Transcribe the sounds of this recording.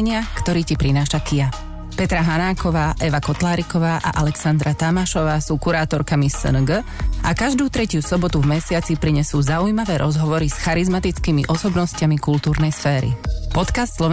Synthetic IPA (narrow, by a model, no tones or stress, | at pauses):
ɲɪakt̪ɔɾiːcipɾinaːʃakija | pɛt̪ɾaɦanaːkɔʋaːʔɛʋakɔt̪laːɾikɔʋaːʔa̰ʔalɛksand̪ɾat̪amaʃɔʋaːsuːkuɾaːt̪ɔɾkamisə̰nɡə | ʔakaʒd̪uːt̪ɾɛcusɔbɔt̪uvmɛsɪat͡sipɾiɲɛsuːzaujmaʋɛːɾʔɔzɦɔʋɔɾisxaɾizmat̪it͡skiːmḭʔɔsɔbnɔscamikult̪uːɾnɛjsfɛːɾḭpɔt̪kast̪slɔʋ